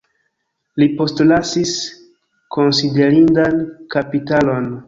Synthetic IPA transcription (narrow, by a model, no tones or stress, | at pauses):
lipo̞stlasis | ko̞nside̞ɾindankapitalo̞n